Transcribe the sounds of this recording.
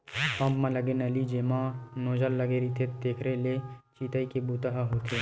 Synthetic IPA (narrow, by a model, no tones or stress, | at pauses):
pɐ̃mpmãlɐɡenɐlid͡ʒeːmãnoːd͡ʒəlːɐɡeɾit̪ʰet̪eːkʰɾelet͡ʃiːt̪əikebuːt̪əɦaɦoːt̪ʰe